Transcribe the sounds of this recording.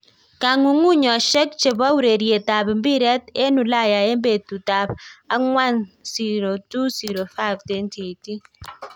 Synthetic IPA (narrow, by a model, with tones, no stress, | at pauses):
ka˨ŋu˨ŋu˦ɲɔ˨a˨ʃɛ˦kt͡ʃɛ˨βa˦u˦ɾe˨ɾje˨ta˨bɛ˨mbi˦ɾɛ˦te˦nu˨la˦˨ja˨e˦mbe˨tu˨ta˨pa˦ŋwa˦nsi˨ɾo˨tu˦si˨ɾo˨fa˦fte˦ntʰe˨ti˦